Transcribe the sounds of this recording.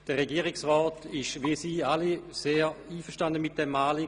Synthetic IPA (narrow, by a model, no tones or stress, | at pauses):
d̥əʁeɡiəʁɪksʁɔːtɪʃʋisiːaliseːiːfəʃtandəmit̚d̥ɛmːaːli